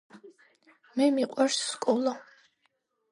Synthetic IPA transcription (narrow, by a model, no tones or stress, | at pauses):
mɛmiqʼwaɾsːkʼɔlɔ